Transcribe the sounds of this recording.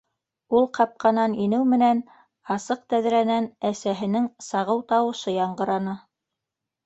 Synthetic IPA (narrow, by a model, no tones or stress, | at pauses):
ulˠqɑp̚qɑnɑninɘwmɘ̆næn | ɑsɤq̚t̪æðɾænænæsæɦɘ̆nɘŋsɑʁɤwt̪ɑwɤ̆ʃɤjɑɴɢɤ̆ɾɑnɤ